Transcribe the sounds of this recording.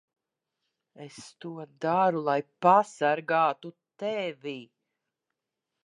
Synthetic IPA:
est̪uɔd̪aɾulˠajpasaɾɡaːt̪ut̪ɛvʲi

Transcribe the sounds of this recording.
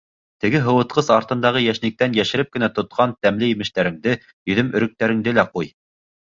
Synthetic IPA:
t̪ɘ̆ɡɘɦɤ̆wɤ̆t̪̚qɤzɑɾt̪ɤ̆nd̪ɑʁɤjæʃnɘ̆k̚t̪ænjæʃɘ̆ɾɘp̚kɘ̆næt̪ŏt̪̚qʰɑnt̪æmlɘjĭmɘ̆ʃt̪æɾɘ̆ŋd̪ɘ | jɵ̆ðɵmɵ̆ɾɘ̆k̚t̪æɾɘ̆ŋd̪ɘlæquj

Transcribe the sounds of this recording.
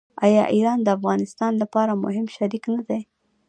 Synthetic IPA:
ɑjɑʔiɾɑnd̪əafɣɑnɪst̪ɑnlapɑɾamʊ̰ɦɪmʃaɾiknad̪aj

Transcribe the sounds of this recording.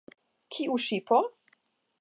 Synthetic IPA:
kʰiuʃipʰɔ

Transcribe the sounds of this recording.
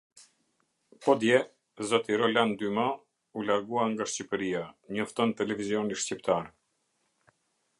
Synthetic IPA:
pɔd̪jɛ | zɔt̪iɾɔland̪yma | ulaɾɡuaŋɡaʃcipəɾiaɲɔft̪ɔnt̪ɛlɛvizjɔniʃcipt̪aɾ

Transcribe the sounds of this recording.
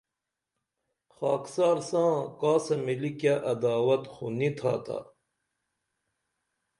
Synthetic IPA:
xaːksaːɾsãːkaːsɐmilikjaʔɐd̪aːwɐt̪xunit̪ʰa̰ːt̪ʰa̰

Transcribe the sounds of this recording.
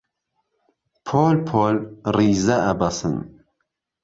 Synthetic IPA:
pʰoːlpʰoːlriːzɐɐbɐsɨ̰n

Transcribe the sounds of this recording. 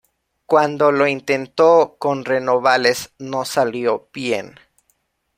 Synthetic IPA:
kwand̪o̞lo̞int̪e̞nt̪oko̞nre̞no̞βale̞sno̞saljo̞pjen

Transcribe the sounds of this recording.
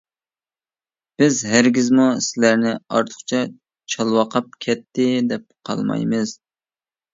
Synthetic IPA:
b̥ɪzɦæɾɡʲizmusɪlæɾnɪɑ̰ɾt̪ʰʊ̥χt͡ʃʰɛ | t͡ʃʰɑlˠwɑqʰɑp̚kʲʰɛt̪ʰːɪd̪ɛp̚qʰɑ̰lˠmɑ̰jmɨz̥

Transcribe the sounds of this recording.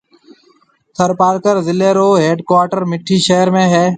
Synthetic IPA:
t̪ʰəɾpaːɾkəɾzɪleːɾoːɦeːɖkwaːʈəɾmɪʈʰːiːʃeːəɾmẽːɦɛː

